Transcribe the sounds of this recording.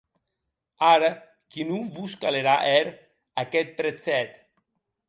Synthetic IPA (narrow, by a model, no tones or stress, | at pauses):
aɾə | kinumvuskaleɾaʔɛɾ | akɛt̪̚pɾet͡sɛt̪